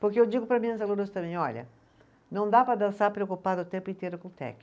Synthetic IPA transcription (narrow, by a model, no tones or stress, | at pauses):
pʊɾkeewd͡ʒiɡʊpɾɐmĩɐ̃sɐluɾost̪ɐ̃mẽj̃ɔʎɐ̰ | nɐ̃w̃d̪apɾɐd̪ɐ̃saɾpɾeokupad̪ʊt̪ẽmpʊĩnt̪eɾʊkõt̪ɛ̰kɪ̥